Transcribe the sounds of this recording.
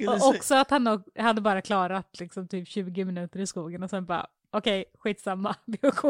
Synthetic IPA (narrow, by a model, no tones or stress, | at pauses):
ɔɔksɔat̪hanːɔɡhad̪ːəbɑːɾakʰlɑːɾat̪lɪksɔmt̪ʰyːpɕʉ̟ːɡɪmɪnʉ̟ːt̪əɾɪskuːɡənɔsɛnbɑ̰ː | ʔɔkʰɛjɧiːt̪samːabɪʊkʰuː